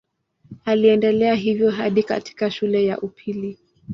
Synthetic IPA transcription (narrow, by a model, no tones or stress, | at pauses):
aliɛndɛlɛaɦivjɔɦaɗika̰ti̥kaʃulɛja̰ʔupʰili